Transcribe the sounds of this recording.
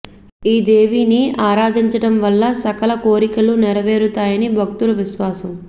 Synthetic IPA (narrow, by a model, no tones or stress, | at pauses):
iːd̪e̞ːʋiːniʔaːɾaːd̪ʱiɲt͡ʃɐɽɐmʋɐlːɐsɐkɐlɐkoːɾikɐlunɛɾɐʋe̞ːɾut̪aːjɐnibʱɐk̚t̪ulɐʋiʃʋaːsɐm